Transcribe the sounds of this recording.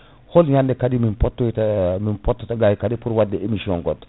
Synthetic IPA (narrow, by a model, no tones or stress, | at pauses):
holɲandekadiminpotːotminpotːotaɡajikadipuɾwadːeemisioŋɡot